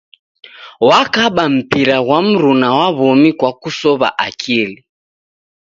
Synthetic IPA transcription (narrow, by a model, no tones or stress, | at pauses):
wakaɓam̩piɾaɣwam̩ɾunawaβɔmikwakusɔβa̰ʔakʰili